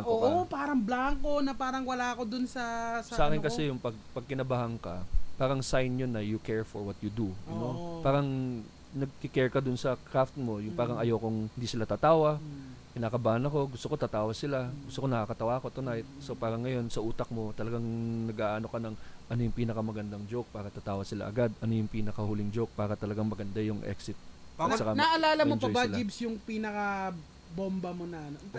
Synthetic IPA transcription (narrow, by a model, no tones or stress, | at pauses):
opaːɾɐŋblaŋkonɐpaːɾɐŋwɐlaɐkod̪ʊnsɐssaʔaːkɪnkɐsɛjʊŋpɐɡ̚pɐɡ̚kɪnɐbaːhɐŋkɐpaːɾɐŋsajnjonːɐjʊkɛɹfoɹwɐt̪̚jʊd̪uʔɐnopaːɾɐŋ | nɐɡ̚kɪkɛɹkɐd̪ʊnsɐkɾaft̪̚mo̞jʊŋpaːɾɐŋʔɐjokʊŋhɪnd̪iːsɪlat̪aːt̪aːwɐkɪnaːkɐbaːhɐnɐko̞ɡʊst̪oko̞t̪at̪aːwɐsɪlaɡʊst̪oko̞nɐkakɐt̪ɐwaːko̞t̪ʊnajt̪̚sopaːɾɐŋːɐjo̞nsɐʔuːt̪ɐk̚mo̞t̪ɐlɐɡaŋnɐɡʔaːʔɐno̞kɐnɐŋʔɐnojʊŋpiːnɐkɐmɐɡɐnd̪aŋd͡ʒowk̚paːɾɐt̪at̪aːwɐsɪla̰ʔɐɡad̪ɐno̞jʊŋpiːnɐkɐhulɪŋd͡ʒowk̚paːɾɐt̪ɐlɐɡaŋmɐɡɐnd̪ajʊŋʔɛ̰ksɪt̪̚sɐkanaʔɐlaːlɐmod͡ʒɐojbalibsjʊŋpiːnɐkɐ | bombɐmonɐno